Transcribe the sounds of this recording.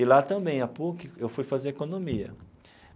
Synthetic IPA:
ɪlat̪ɐ̃bẽj̃apokɪewfujfazeɾekõnõmiɐ̰

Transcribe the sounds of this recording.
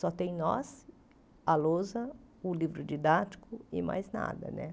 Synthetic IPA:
sɔt̪ẽj̃nɔ̰s | alozɐ | ʊlivɾʊd͡ʒid̪at͡ʃi̥kʊɪma̰jzna̰d̪ɐ̰nɛ

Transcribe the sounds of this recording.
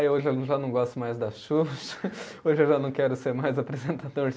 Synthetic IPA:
oʒɪẽʒanɐ̃w̃ɡɔst̪ʊmajzd̪ɐʃuʃɐ̥ | oʒɪewʒanɐ̃w̃kɛɾʊseɾmajzapɾezẽnt̪ad̪oɾ

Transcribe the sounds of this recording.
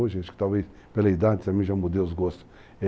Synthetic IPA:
oʒaʃu̥k̚t̪alˠves | pelɐid̪ad̪isamĩʒãmud̪ewzɡɔst̪u̥ | ɛ

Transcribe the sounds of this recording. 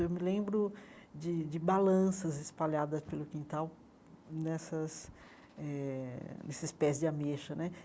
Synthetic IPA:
ewmɪlẽmbɾʊd͡ʒɪd͡ʒɪbalɐ̃sɐzɪspaʎad̪ɐspelʊkĩnt̪aw | nɛsɐs | ɛnɛsɪspɛzd͡ʒɪameʃɐnɛ

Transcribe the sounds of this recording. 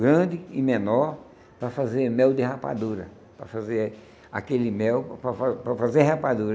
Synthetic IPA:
ɡɾɐ̃d̪ɪɪmenɔɾ | pɾɐfazeɾmɛwd̪ɪɦapa̰d̪uɾɐ̰ | pɾɐfaze | a̰kelɪmɛwppɾɐfapɾɐfazeɦapad̪uɾɐ

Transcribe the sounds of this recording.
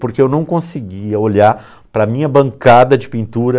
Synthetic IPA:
poɾkeewnɐ̃w̃kõsɪɡiɐoʎaɾ | pɾɐmĩɲɐbɐ̃ŋkad̪ɐd͡ʒɪpĩnt̪uɾɐ

